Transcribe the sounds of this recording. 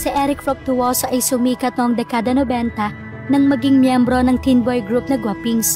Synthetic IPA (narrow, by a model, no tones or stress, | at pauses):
siʔɛɾɪkfop̚t̪ʊwosoʔɐjsʊmiːkɐt̪̚noŋd̪ɛkaːd̪ɐnobɛnt̪ɐ | nɐŋmɐɡiŋmjɛmbɾo̞nɐŋt̪inbojɡɾup̚nɐɡwɐpiŋs